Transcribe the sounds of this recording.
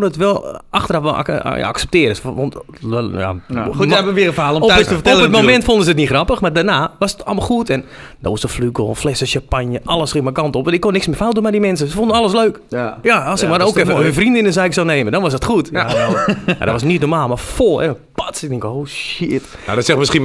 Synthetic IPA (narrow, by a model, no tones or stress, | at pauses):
konəətʋɛlˠaxtərɔfʋɛl̰ja̰a̰ksɛp̚tɪəɾəsʋɔntja̰ɛbəʋiəfəaːlˠɔmɔtːstəətːlətmomɛntfondəsət̬nixrɑpəxmardanaːʋɔsətɔ̰lˠmalˠxuətɛn | dɔɔsəflyɡlˠflɛsəʃapanjəʔɑlˠəsxɪŋmɛkɑntɔpɛnˠɪkːonːɪksmɪːfawt̚dunmɛdimɛns̬əsəfondənɑlˠəsløːkjaːlˠsɪkmaɾoːkɛfəənfrindɪnəsaːɪksaneːmədɔnʋɔs̬dətxuətja | ma̰dɔtʋɔsnitnormaːlˠmarfoɛvə | patɪk̚dɪŋkoːʃɪt | na̰dɔtsɛxmɪski